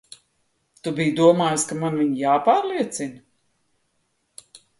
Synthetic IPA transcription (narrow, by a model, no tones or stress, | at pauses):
t̪ubijd̪uɔmaːjskamanviɲjaːpaːɾlˠiɛt̪sin